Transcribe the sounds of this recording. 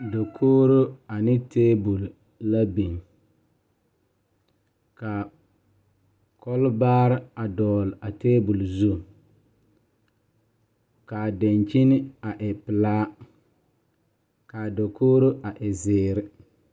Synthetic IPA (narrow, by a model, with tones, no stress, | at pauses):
do˨kʰoː˦ɾo˦a˨nɪ˦tʰeː˦bu˨lː | a˦bi˨n | ka˨ | kʰɔ˦lbaː˦ɾɪ˦a˨dɔː˨la˨teː˦bu˨lzu˦ | ka˨de˨nt͡ʃi˦nɪ˦a˨ʔɪ˨pɪ˨laː˦ | ka˨do˨koː˦ɾo˦ʔa˨ʔɪ˨zɪː˨˦ɾɪ˦